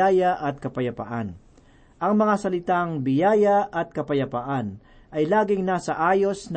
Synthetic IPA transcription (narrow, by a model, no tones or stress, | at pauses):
aːjɐʔɐt̪̚kɐpɐjɐpa̰ʔan | ʔɐŋmɐŋasɐlɪt̪aŋbɪjaːjɐʔɐt̪̚kɐpɐjɐpaʔan | ʔɐjlaːɡɪŋnaːsɐʔaːjo̞sn